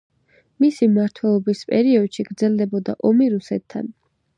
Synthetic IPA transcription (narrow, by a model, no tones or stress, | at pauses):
misimaɾt̪ʰwɛlˠɔbispʼɛɾiɔd̪ʃiɡɾd̪zɛlˠd̪ɛbɔd̪a̰ʔɔmiɾusɛt̪ʰːa̰n